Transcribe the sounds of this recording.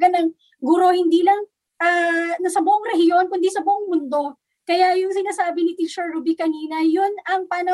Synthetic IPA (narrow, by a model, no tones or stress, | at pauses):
ɐnɐŋ | ɡuɾo̞hɪnd̪iːlɐŋ | ʔanɐsɐbʊʔoŋɾɛhɪjo̞nkʊnd̪isɐbʊʔoŋmʊnd̪o̞ | kɐjajʊŋsɪnaːsaːbɪnɪt̪it͡ʃɛɹɾubikɐniːnɐjʊnɐŋpaːnɐ